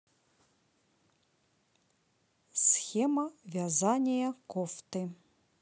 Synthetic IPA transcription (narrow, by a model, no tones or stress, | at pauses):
sxʲɛmɐvʲazanʲɐjɐkɔft̪ɨ